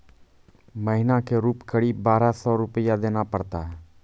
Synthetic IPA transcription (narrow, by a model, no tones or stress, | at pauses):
məɦɪnakeɾuːpkəɽiːbbaːɾasɔːɾʊpəjad̪eːnapəɽt̪aɦɛː